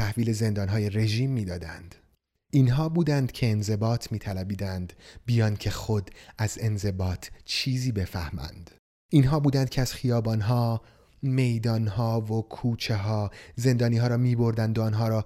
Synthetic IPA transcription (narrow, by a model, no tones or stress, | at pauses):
t̪ʰæhviːle̞ze̞nd̪ɒːnɦɒːje̞ɾe̞ʒiːmːiːd̪ɒːd̪ænd̪̥ | inɦɒːbuːd̪ænd̪cʰe̞ːnze̞bɒːt̪ʰmiːt̪ʰælæbiːd̪ænd̪bijɒːnd̪̚cʰe̞xod̪æze̞nze̞bɒːt̪ʰt͡ʃʰiːziːbe̞fæhmæ̰nd̪̥ | inɦɒːbuːd̪ænd̪̚cʰeæz̥χijɒːbɒːnɦɒː | me̞jd̪ɒːnhɒːvokʰuːt͡ʃʰe̞ɦɒːze̞nd̪ɒːniːɦɒːɾɒːmiːbo̞ɾd̪ænd̪oɒːnɦɒːɾɒː